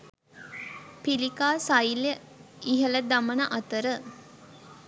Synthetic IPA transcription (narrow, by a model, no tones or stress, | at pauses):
pilikaːsajljə | iɦələd̪amənəʔat̪əɾə